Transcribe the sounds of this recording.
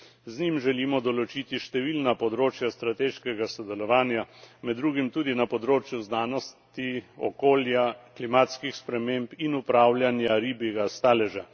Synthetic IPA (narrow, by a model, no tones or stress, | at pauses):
znimʒɛliːmɔd̪ɔlɔt͡ʃit̪iʃt̪ɛʋiːlnapɔd̪ɾoːt͡ʃjast̪ɾat̪eːʃkɛɡasɔd̪ɛlɔʋaːnjamɛd̪dːɾuːɡimt̪uːd̪inapɔd̪ɾoːt͡ʃjuznaːnɔst̪iɔ̰koːljaklimaːt̪skixspɾɛmeːmpinupɾaːwlʲjanjaɾiːbɛɡast̪aːlɛʒa